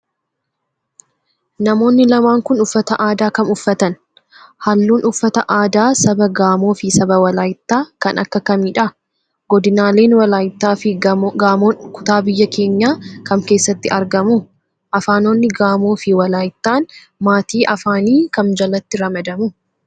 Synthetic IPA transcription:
nɐmo̞ːnːɪlɐmaːŋkʊnʊfːɐt̪ɐʔaːd̪aːkɐnʊfːɐt̪ɐn | hɐlːuːnʔʊfːɐt̪ɐʔaːd̪aːsɐbɐɡaːmo̞ːfɪsɐbɐwɐlaːjɪt̪ːaːkɐnʔɐ̰kːɐkɐmiːᶑɐ | ɡɔd̪ɪnaːle̞ːnwɐlaːjɪt̪ːaːfɪɡaːmo̞ːnkʊ̥t̪aːbɪjːɐkʰe̞ːɲːaːkɐŋke̞ːsːɐt̪ːɪɐɾɡɐmu | ʔɐfaːno̞ːnːɪɡaːmo̞ːfɪwɐlaːjɪt̪ːaːn | maːt̪iːʔɐfaːniːkɐmd͡ʒɐlɐt̪ːɪɾɐmɐd̪ɐmʊ

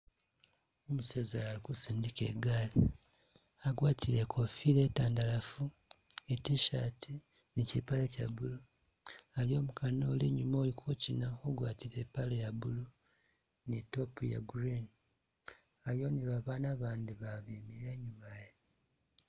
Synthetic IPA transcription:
omusezalaːlikusiːndikḛɡaːli | aɡwaːtʰiɾe̞kʰofile̞taːndalafu | etiʃatʰi | nicipalecaβulu | aljo̞ːmukʰanoːleɲumolikʰocinaoɡwaːtiɾeːpalejaβulu | nitopuja̰ɡɾini | aljo̞niβaβaːnaβaːndiβaβiːmiɾeɲumaje

